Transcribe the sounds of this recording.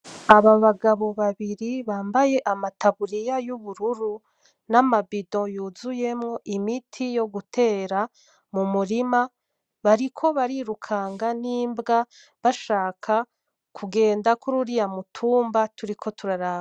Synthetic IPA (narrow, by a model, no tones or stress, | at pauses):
aβaβaɡaβo̞βaβiɾiβaːmbaje̞ʔamataβuɾijajuβuɾuɾu | namabidojuːzuje̞mŋo̞ʔimitʰijo̞ɡutʰe̞ːɾa | mumuɾima | βaɾikʰo̞βaɾiɾukʰaːŋɡaniːmbɡa | βaʃaːkʰa | kʰuɡe̞ːndakuɾuɾijamutʰuːmbatuɾikʰo̞tuɾaɾaː